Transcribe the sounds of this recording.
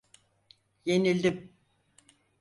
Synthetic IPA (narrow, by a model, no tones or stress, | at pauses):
je̞nilʲd̪im